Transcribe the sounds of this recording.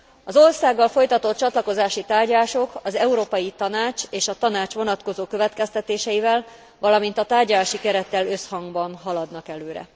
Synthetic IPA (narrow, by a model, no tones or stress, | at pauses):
ɒzo̞rsaːɡːɒlfo̞jt̪ɒt̪o̞t̪̚t͡ʃɒt̪lɒko̞zaːʃit̪aːrɟlaːʃo̞kɒzɛuɾoːpɒjit̪ɒnaːt͡ʃeːʃɒt̪ɒnaːt͡ʃʋo̞nɒt̪ko̞zoːkø̞vɛt̪kɛst̪ɛt̪eːʃɛjivɛl | ʋɒlɒmint̪ɒt̪aːrɟɒlaːʃikɛɾɛt̪ːɛlø̞shɒŋɡbɒnɦɒlɒd̪nɒkɛløːɾɛ̰